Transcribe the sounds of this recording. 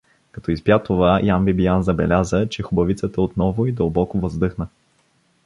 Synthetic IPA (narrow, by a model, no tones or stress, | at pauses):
kɐt̪ɔizbjat̪ovajambibijanzɐbɛ̰lʲazət͡ʃɛxʊbɐvit̪sət̪ɐot̪nɔvʊid̪əlˠbɔkʊvəzd̪ɤxnə